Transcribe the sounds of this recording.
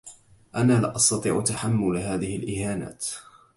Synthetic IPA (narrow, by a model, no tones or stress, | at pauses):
ʔanaːlɪʔɑst̪ɑt̪ˤiːʕt̪aħamːʊlɦaːðɪhɪlʔɪhaːna̰ːt̪